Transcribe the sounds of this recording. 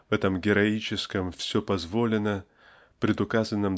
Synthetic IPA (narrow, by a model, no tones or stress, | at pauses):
vɛt̪əmɡʲɪɾɐit͡ɕɪskəmfsʲɵpɐzvo̞lʲɪnə | pɾʲɪd̪ʊkazənːəm